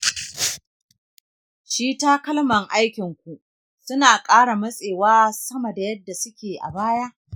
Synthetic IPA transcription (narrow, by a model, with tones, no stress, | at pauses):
ʃiː˦taː˦kɐ˦lmɐ˨ŋʔa˦jkʲɪ˨ŋkʷu˨ | sʊ˦naː˨kʼaː˦ɽa˨mɐ˦sʼeː˨waː˦sɐ˦mɐ˨da˨jɐ˦dːa˨sʊ˦kʲeː˨ʔa̰˨baː˦jaː˦